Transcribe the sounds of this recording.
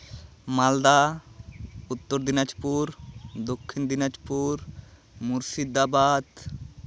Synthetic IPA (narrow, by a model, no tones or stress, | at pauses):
mald̪a | ut̪ːɔɾd̪inad͡ʒpuɾd̪okʰːind̪inad͡ʒpuɾ | muɾsid̪abad̪